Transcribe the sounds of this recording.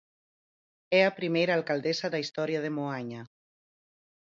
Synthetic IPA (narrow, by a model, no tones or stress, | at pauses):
ɛapɾimejɾaːlkald̪esaðaist̪ɔɾjaðemoaɲa